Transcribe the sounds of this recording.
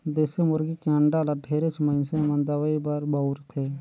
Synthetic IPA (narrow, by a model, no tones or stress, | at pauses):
d̪eːsemʊɾɡikãɳɖaːlaʈʰeːɾesməɪnsẽmə̃nd̪aʋəibaɾbaʊɾt̪ʰeː